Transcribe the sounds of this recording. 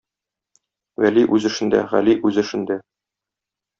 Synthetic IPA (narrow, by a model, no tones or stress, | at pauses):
wæliʔʉzɘ̆ʃɘ̆nd̪æ̰ʁæ̰liʔʉzɘ̆ʃɘ̆nd̪æ